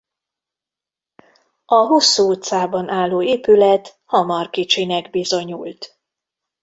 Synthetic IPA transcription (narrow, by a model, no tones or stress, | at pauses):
ɒɦosːuut̪saːbɒnʔaːlːoːeːpylɛt̪hɒmɒrkit͡ʃinɛɡbizo̞ɲult̪